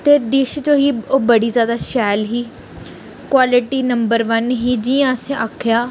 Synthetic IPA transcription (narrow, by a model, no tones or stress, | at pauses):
t̪eːd̪ɪʃd͡ʒoːɦiːoːbəɽiːzjaːd̪aːʃɛːlɦiː | kwaːlɪʈiːnəmbəɾʋənɦiːd͡ʒiːãːsẽːʔaːkʰjaː